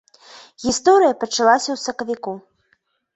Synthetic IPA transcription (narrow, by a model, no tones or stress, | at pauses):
ɣʲist̪ɔɾɨjɐpɐt͡ʂalˠasʲɐwsɐkɐvʲiku